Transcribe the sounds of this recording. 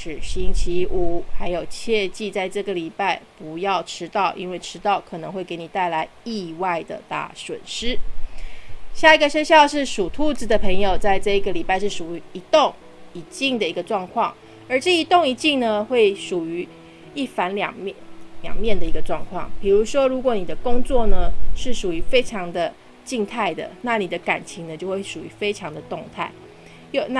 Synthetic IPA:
ʂɻ̩˨˩ɕi˥ŋt͡ɕʰi˥u˨˩xa˧˥ɪjo˨˩ʊt͡ɕʰjɛ˥˧t͡ɕi˥˧t͡sa˥˧ɪʈ͡ʂɤ˥˩ɡə˩li˨˩pa˥˩ɪpu˧˦jɑ˥˩ʊʈ͡ʂʰɻ̩˥t̪ɑ˥˩ʊʔḭ˥nwe˥˩ɪʈ͡ʂʰɻ̩˥t̪ɑ˥˩ʊkʰɤ˨˩nɤ˧˦ŋxwe˥˩ɪke˧˥ɪni˨˩t̪a˥˩ɪla˧˦ɪi˥˧wa˥˩ɪd̪ə̰˩t̪a̰˥˩swə̰˨˩nʂɻ̩˥ | ɕja˥˩i˧ɡə˧ɕɥɛ˥ɕjɑ˥˧ʊʂɻ̩˥˩ʂu˨˩t̪ʰu˥t͡s̩˨˩d̪ə˩pʰə˧˥ŋjo˨˩ʊt͡sa˥˧ɪʈ͡ʂɤ˥˧i˧˥ɡə˨li˨˩pa˥˧ɪʂɻ̩˥˩ʂu˨˩y˧˥i˧˥t̪o˥˨˩ŋ | i˨˩t͡ɕi˥˩ŋd̪ə˩i˧˥ɡə˧ʈ͡ʂwɑ˥˧ŋkʰwɑ˥˩ŋ | ə˞˧˥ʈ͡ʂɤ˥˩i˧˥t̪o˥˩ŋi˧˥t͡ɕi˥˩ŋnə˨˧xwe˥˩ɪʂu˨˩y˧˥ | i˥˩fa˧˥nljɑ̰˨˩ŋmljɑ̰˨˩ŋmjɛ˥˩nd̪ə˩i˧ɡə˧ʈ͡ʂwɑ˥˧ŋkʰwɑ̰˥˩ŋpi˨˩ɻu˧˥ʂwɔ˥ɻu˧˥kwɔ˨˩˦ni˨˩d̪ə˦kʊ˥ŋt͡swɔ˥˩nə˩ʂɻ̩˥˩ʂu˨˩y˧˥fe˥ɪʈ͡ʂʰɑ˧˥ŋd̪ə˧ | t͡ɕi˥˧ŋt̪ʰa˥˩ɪd̪ə̰˩na˥˩ni˨˩d̪ə˦ka˨˩nt͡ɕʰi˧˥ŋnə˧t͡ɕjo˥˧ʊxwe˥˩ɪʂu˨˩y˧˥˦fe˥ɪʈ͡ʂʰɑ˧˥ŋd̪ə˨t̪ʊ˥˧ŋt̪ʰa̰˥˩ɪ | jo˥˨˩na˥

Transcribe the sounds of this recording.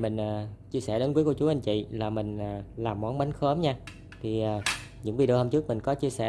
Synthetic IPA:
mi˨˩ŋ̟ʔːt͡ɕi˧əsɛ̰˧˩ɗe˨˦nkwi˦ku˧˩˦t͡ɕu˨˦ʔa˧ŋt͡ɕḭ˧˨laː˨˩mï˨˩ŋ̟ː˨˩laː˨˩mːɔ˨˦nɓa˨˦ŋxəː˨˦mɲaː˧ | t̪ʰi˨˩ʔaː˨˩ | ɲɨ̰˧˥ŋvi˨˩ɗɨ˨˩hə˧mt͡ɕɨ˦˥ək̚mï̟˨˩kɔ˨˦t͡ɕi˧əsɛ̰˧˩

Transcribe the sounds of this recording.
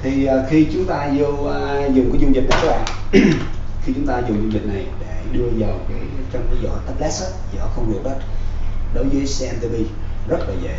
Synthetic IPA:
t̪ʰi˨˩ʔːxi˧t͡ɕʊ˨˦ŋ͡mt̪aː˧zo˧˨zʊ˨˩ŋ͡mkaː˨˦jzu˧ŋzi̟˨˩na˨˩ɔ˦ɓa̰ː˨˩ | xi˧t͡ɕʊ˨˦ŋ͡mt̪aː˧zʊ˨˩ŋ͡mzu˧ŋvï˨˩k̟̚na˨˩jɗe˧˩ɗɨ˧əzaː˨˩kaː˨˦jt͡ɕɔ˧wŋ͡mkə˨˦jzɔ̰˧˨˩t̪ɛ˦˥p̚lɛ˦˥sə˦˥t̚zɔ˧˩xə˧wŋ͡mhi˨˩ək̚ɗə˦˥t̚ɗo˨˦jvəː˨˦jsɛ˧ʔɛ˧mt̪i˧vi˧zə˦˥t̚laː˨˩zḛ˧˨

